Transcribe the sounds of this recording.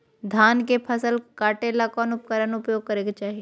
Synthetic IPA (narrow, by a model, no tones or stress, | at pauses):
d̪ʱaːnkepʰɐsəlkaːʈeːlakɔːnʊpkəɾənʊpjoːɡ̚kɐɾeːɡat͡ʃaːɦie